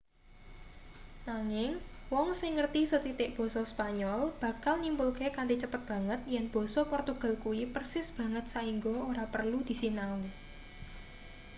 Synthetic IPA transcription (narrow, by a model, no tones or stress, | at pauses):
naŋɪŋwɔŋsɪŋːərt̪isət̪it̪ɪʔb̥ɔ̤sɔspaɲɔlb̥ä̤kalnimbulkekandit͡ʃəpət̪̚b̥ä̤ŋət̪̚jɛnb̥ɔ̤sɔpɔrt̪uɡ̥a̤lkuwipərsɪsb̥ä̤ŋət̪̚saiŋɡooɾapərlud̪̥i̤sinau